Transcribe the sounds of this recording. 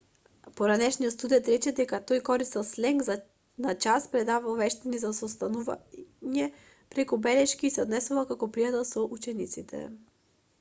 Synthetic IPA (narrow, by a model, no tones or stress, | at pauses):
poɾanɛʃnijot̪st̪ud̪ɛnt̪ɾɛt͡ʃɛd̪ɛkat̪ojkɔɾisɛlˠslɛŋɡza | nat͡ʃaspɾɛd̪avalˠvɛʃt̪anizasost̪anuvanɛ | pɾɛkubɛlɛʃkiːsɛod̪nɛsuvakakɔpɾijat̪ɛlˠsoʔut͡ʃɛnit̪sit̪ʰɛ̰